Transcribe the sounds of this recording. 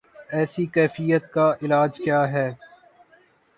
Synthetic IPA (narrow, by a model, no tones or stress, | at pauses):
ɛːsikɛːfijət̪kaʔɪlaːd͡ʒkjaːɦɛː